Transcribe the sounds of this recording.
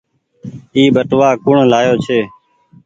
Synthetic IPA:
iːbəʈʋaːkʊɳlaːjoːt͡ʃʰeː

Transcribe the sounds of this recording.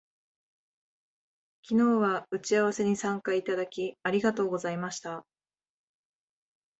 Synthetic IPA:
kʲino̞ːβaɯ̟t͡ɕiaβ̞ase̞ɲ̟isãŋkait̪ad̪akʲiaɾʲiɡat̪o̞ːɡo̞zaimaɕi̥t̪a

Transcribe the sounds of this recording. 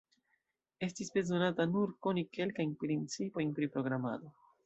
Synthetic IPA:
e̞stisbe̞zo̞natanuɾko̞nike̞lkajnpɾint͡sipo̞jnpɾipɾo̞ɡɾama̰do̞

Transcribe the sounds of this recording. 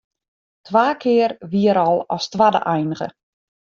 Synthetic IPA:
tʰʋaːkʰɪərʋiəɾɔlˠɔstʋadə̰ʔɛjnəɣə̰

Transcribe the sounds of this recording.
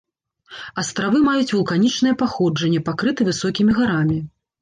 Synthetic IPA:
ɐst̪ɾavɨmajut͡sʲvulˠkanʲit͡ʂnɨjɛpaxɔd͡ʐɐnʲːɛpakɾɨt̪ɨvɨsɔkʲimʲiɣaɾamʲi

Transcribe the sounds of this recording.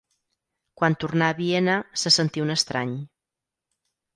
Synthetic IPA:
kwant̪urnaːβienəsəsənt̪iunəst̪ɾaɲ

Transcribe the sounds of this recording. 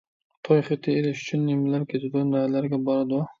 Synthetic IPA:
t̪ʰojχɨt̪ʰːɪelɪʃy̥t͡ʃʰʊnːemlaɾkʲʰet̪ʰɪd̪ʊnalaɾɡʲabɒɾɑd̪ʊ

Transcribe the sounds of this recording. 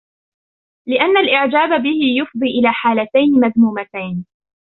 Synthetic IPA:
lɪʔanːalʔɪʕd͡ʒaːbabɪhɪjʊfd̪ˤiːʔɪlaːħaːlat̪ajnɪmaðmuːmat̪ajn

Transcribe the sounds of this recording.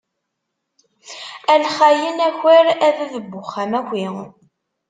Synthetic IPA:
ælχæjənæçəɾæðæðəbːʊχːæmækʷi

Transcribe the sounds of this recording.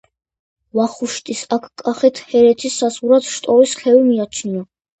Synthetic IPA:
vaχuʃt̪ʼisakʰkʼːaχɛt̪ʰhɛɾɛt̪ʰisːazʁuɾat̪ʰʃt̪ʼɔɾisχɛvimiat͡ʃʰnia

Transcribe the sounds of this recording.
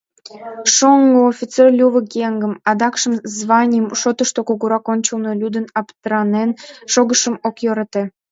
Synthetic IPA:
ʃoŋɡoofʲit͡serlʲuβəkʲeŋɡəmɑd̪ɑkʃəmzβɑnʲjəmʃot̪əʃt̪okoɣuɾɑkonʲt͡ɕəlnolʲud̪ənɑpt̪əɾɑnenʃoɣəʃə̆mokjoɾɑt̪e

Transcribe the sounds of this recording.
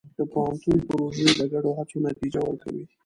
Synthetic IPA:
d̪̥əpohant̪unpaɾozeləɡaɖohat͡sonat̪id͡ʒawəɾka̰wḭ

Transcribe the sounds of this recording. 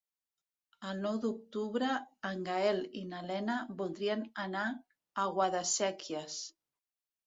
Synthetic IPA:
alnɔwðuk̚t̪uβɾaːŋɡaelinalɛnabulˠd̪ɾiananaː | ɣwaðasɛkʰjas

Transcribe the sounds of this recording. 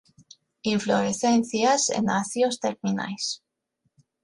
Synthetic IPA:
iɱfloɾeθenθjasḛnaθjost̪eɾmina̰js

